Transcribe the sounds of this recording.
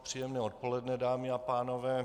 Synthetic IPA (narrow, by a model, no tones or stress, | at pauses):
pr̝̥ijɛmnɛːot̪̚polɛdnɛdaːmɪapaːnovɛː